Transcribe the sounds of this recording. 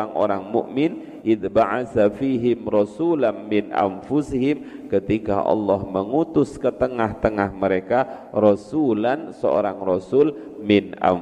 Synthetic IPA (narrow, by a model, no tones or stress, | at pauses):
aŋʔo̰ɾaŋmʊ̰ʔmɪn | ʔɪðbaʕasafiɦɪmrɔsulanmɪnʔa̰nfusiɦɪm | kət̪ika̰ʔɑ̰lːɑhməŋut̪ʊskət̪əŋaht̪əŋahməɾekarɔsulansə̰o̰ɾaŋrɔsʊl | mɪnʔa̰